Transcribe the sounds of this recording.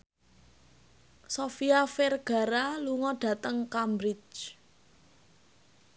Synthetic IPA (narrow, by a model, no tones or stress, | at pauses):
sofiafɛrɡ̥a̤ɾaluŋɔɖ̥ä̤t̪əŋkambɾɪt͡ʃ